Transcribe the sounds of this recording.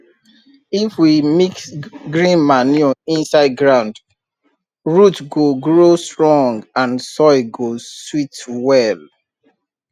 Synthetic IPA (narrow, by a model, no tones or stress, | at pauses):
ifwimiksɡɹĩnmanoĩnsaɪd̚ɡɹãʊ̃nd | ɹutɡoɡɹostɹɔ̃ŋɡãnsɔɪɡoswitwɛl